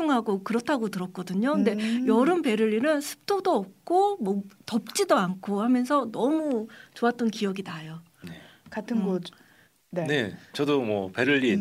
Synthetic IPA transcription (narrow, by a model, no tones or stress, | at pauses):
oŋɦaɡokɯɾʌtʰaɡotɯɾʌk͈ʌdɯɲokɯnde̞jʌɾɯnpe̞ɾɯʎːinɯnsʰɯ̥p̚t͈ʰodoʌp̚k͈omʌtʌp̚t͡ɕ͈idoankʰohamjʌnsʰʌnʌmut͡ɕoat̚t͈ʌnkijʌɡinajo | ekatʰɯnɡo | nene̞t͡ɕʌdomwʌpe̞ɾɯʎːi